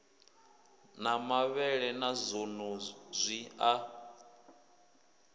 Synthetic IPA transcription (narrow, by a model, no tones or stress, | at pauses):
namaβɛɺɛnazonozʷia